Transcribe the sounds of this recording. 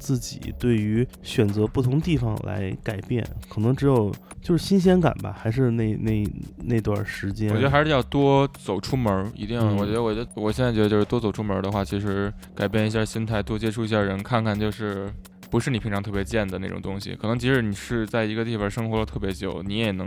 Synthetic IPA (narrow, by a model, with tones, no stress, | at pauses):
t͡sɹ̩˥˩t͡ɕḭ˨˩t̪we˥˩ɪy˧˥ | ɕɥɛ˨˩nt͡sɤ˧˥pu˥˩t̪ʰʊ˧˥ŋdə˧t̪i˥˩fɑ̰˨˩ŋla̰˧˥ɪka˨˩ɪpjɛ̰˥˩nkʰɤ˨˩nɤ˧˥ŋʈ͡ʂɻ̩˧˥jo˨˩ʊ | t͡ɕjo˥˧ʊʂɻ̩˥˩ɕi˥nɕ̬jɛ˥nka̰˨˩nbɐ̰˦xa˧˥ɪʂ̬ɻ̩˥˧ne˥˩ɪne˥˩ɪ˧˩ne˥˧ɪ˧t̪wa̰˥˩nʂɻ̩˧˥t͡ɕjɛ˥ɔ˨ɛ˧˥də˧xʂɻ̩˧jɑ˥˩ʊt̪wɔ˥t͡so˨˩ʊʈ͡ʂʰu˥mə˧˥ḭ˧˥i˧jwɔ˨˩t͡ɕɥɛ˧˥ə˧wɔ˨˩t͡ɕɛ˧˥wɔ˨˩ɕjɛ˥nt͡sa˥˩t͡ɕɛ˧˥˧t͡ɕo˥˧ʊʂ̩˥˧t̪wɔ˥t͡so˨˩ʊʈ͡ʂʰu˥mə˞˧˥d̪ə˧xwa˥˩t͡ɕʰi˧˥ʂɻ̩˧˥ka˨˩ɪpjɛ˥˩ni˧˥ɕ̬ja˥˩ɕi˥nt̪ʰa˥˩ɪt̪wɔ˥t͡ɕjɛ˥ʈ͡ʂʰu˥i˧˥ɕja˥˩ɻə˧˥nkʰa˥˧nkʰa˥˧nt͡ɕjo˥˧ʊʂɻ̩˥˩ | pu˧˥ʂɻ̩˥˩ni˩pʰi˧˥ŋʈ͡ʂʰɑ˧ŋt̪ʰɤ˥˩pjɛ˧˥t͡ɕjɛ˥˩nd̪ə˩na˥˩ʈ͡ʂʊ̰˨˩t̪ʊ˥ŋɕḭ˨kʰɤ˨˩nɤ˧˥ŋt͡ɕʰi˧˥ʂɻ̩˧˥ni˨˩ʂɻ̩˥˧t͡sa˥˩ɪi˧˥ɡə˧t̪i˥˩fɑ˥˩ʂɤ˥ŋxwɔ˧˥lə˧t̪ʰɤ˥˩pjɛ˧˥t͡ɕjo̰˨˩˦ʊni˧˥jɛ˨˩nɤ˧˥